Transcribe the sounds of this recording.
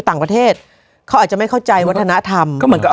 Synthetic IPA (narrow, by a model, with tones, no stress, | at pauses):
t̪aː˨˩ŋpɾa˧t̪ʰeː˥˩t̪̚ | kʰa˦˥waː˨˩t̚t͡ɕa˨˩ma˥˩jkʰa˥˩wt͡ɕa˧jwa˦˥t̪ʰːa˧na˦˥t̪ʰa˧mɔ˥˩mɯ˧˩˦nkɔ˥˩